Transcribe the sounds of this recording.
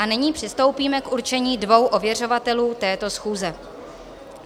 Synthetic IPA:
anɪɲiːpr̥ɪst̪o̞wpiːmɛkʔuɾt͡ʃɛɲiːdvo̞wʔo̞vjɛr̝o̞vat̪ɛluːt̪ɛːt̪o̞sxuːzɛ

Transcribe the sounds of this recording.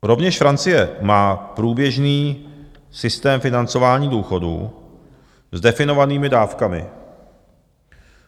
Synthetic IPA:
ɾo̞vɲɛʃfɾant͡sɪjɛmaːpɾuːbjɛʒniː | sɪst̪ɛːmfɪnant͡so̞vaːɲiːduːxo̞dṵː | zdɛfɪnovaniːmɪdaːfkamɪ̰

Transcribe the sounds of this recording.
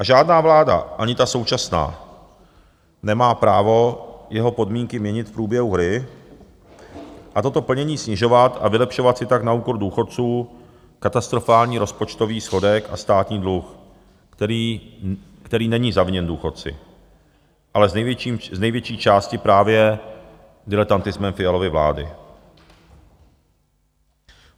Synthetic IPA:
ʔaʒaːdnaːvlaːda̰ʔaɲɪt̪aso̞wt͡ʃasna̰ː | nɛmaːpɾa̰ːvo̞jɛɦo̞po̞dmiːŋkɪmɲɛɲɪt̪fpɾuːbjɛɦuɦɾɪ | ʔat̪o̞t̪o̞pl̩ɲɛɲiːsɲɪʒo̞vat̪a̰vɪlɛpʃo̞vat̪sɪt̪aknauːko̞ɾduːxo̞t̪̚t͡suː | kat̪ast̪ɾo̞faːlɲiːɾo̞spo̞t͡ʃt̪o̞viːsxo̞dɛka̰st̪aːt̪ɲiːdlux | kt̪ɛɾiːnɛɲiːzavɲɛnduːxo̞t̪̚t͡sɪ̰ | ʔalɛzɛjiːmznɛjvjɛt͡ʃiːt͡ʃaːscɪpɾaːvjɛ | dɪlɛt̪ant̪ɪzmɛmfɪalo̞vɪvla̰ːdɪ̰

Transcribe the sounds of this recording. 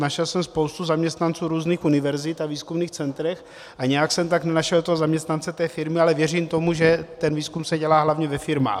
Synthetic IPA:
naʃɛlsɛmspo̞wst̪uzamɲɛst̪nant͡suːɾuːzniːxunɪvɛɾzɪt̪aviːskumniːxt͡sɛnt̪ɾɛx | ʔaɲɛjaksɛmt̪aknɛnaʃɛldot̪oɦozamɲɛst̪nant͡sɛt̪ɛːfɪɾmɪalɛvjɛr̝iːmt̪omuʒɛt̪ɛnviːskumsɛɟɛlaːɦlavɲɛvɛfɪɾma̰ːx

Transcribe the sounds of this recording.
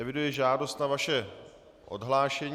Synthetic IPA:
ɛvɪdujɛʒaːdo̞st̪navaʃɛ | ʔo̰dɦlaːʃɛɲ

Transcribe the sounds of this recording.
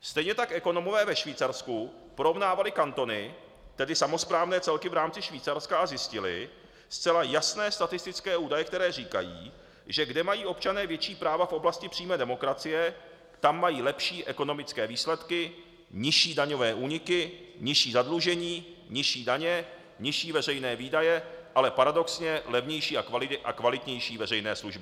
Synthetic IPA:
st̪ɛjɲɛt̪akʔɛko̞no̞movɛːvɛʃviːt͡saɾsku | poɾo̞vnaːvalɪkant̪o̞nɪ | t̪ɛdɪsamo̞spɾaːvnɛːt͡sɛlkɪvɾaːmt͡sɪʃviːt͡saɾskaazjɪscɪlɪ̰ | st͡sɛlajasnɛːst̪at̪ɪst̪ɪt͡skɛːʔuːdajɛk̚t̪ɛɾɛːriːka̰jḭː | ʒɛɡdɛmajiːʔo̞pt͡ʃanɛːvjɛt͡ʃiːpɾaːvafʔo̞blascɪpr̥iːmɛːdɛmo̞kɾat͡sɪjɛ | t̪amːajiːlɛpʃiːʔɛko̞no̞mɪt͡skɛːviːslɛt̪kɪ | ɲɪʃiːdaɲo̞vɛːʔuːɲɪkɪɲɪʃiːzadluʒɛɲiː | ɲɪʃiːdaɲɛ | ɲɪʃiːvɛrɛjnɛːviːdajɛʔalɛpaɾado̞ksɲɛlɛvɲɛjʃiːakvalɪʔakvalɪt̪ɲɛjʃiːvɛrɛjnɛːsluʒbɪ

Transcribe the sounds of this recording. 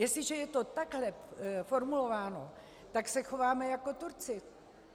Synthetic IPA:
jɛsɪʒɛjɛt̪o̞t̪aɡɦlɛfo̞ɾmulo̞vaːno̞ | t̪aksɛxo̞vaːmɛjako̞t̪uɾt͡sɪ

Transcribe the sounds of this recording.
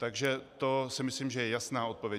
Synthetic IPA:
t̪aɡʒɛt̪o̞sɪmɪsliːmʒɛjɛjasnaːo̞t̪̚po̞vjɛ

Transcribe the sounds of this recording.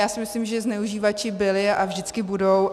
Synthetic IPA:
jaːsɪmɪslɪmʒɛznɛuʒiːvat͡ʃɪbɪlɪavʒdɪt͡skɪbudow

